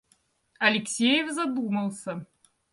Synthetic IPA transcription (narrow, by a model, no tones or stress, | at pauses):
ɐlʲɪksʲejevzɐd̪uməlˠsə